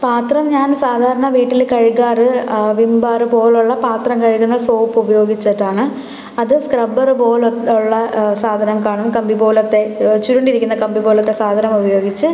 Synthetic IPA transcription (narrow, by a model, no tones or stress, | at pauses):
paːt̪rɐmɲaːnsaːd̪ʱaːɾɐɳɐʋiːʈːilkɐɻikːaːrɨʋimbaːrɨpo̞ːluɭːɐpaːt̪rɐmkɐɻikːunːɐsoːpːubɐjo̞ːɡit͡ɕːɐʈːaːɳɨ | ɐðɨskrɐbɐrɨpo̞ːluɭːɐsaːd̪ʱɐnɐmkaːɳɐmkɐmbibo̞ːlɐt̪ːe̞t͡ɕuɾuɳɖiɾikʲːunːɐkɐmbiboːlɐt̪ːe̞saːd̪ʱɐnɐmubɐjo̞ːɡit͡ɕːɨ